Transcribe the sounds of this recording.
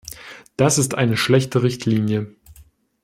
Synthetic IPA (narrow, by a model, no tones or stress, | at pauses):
d̥asɪstʔa̰ɪnəʃlɛçtəʁɪçtʰliːnjə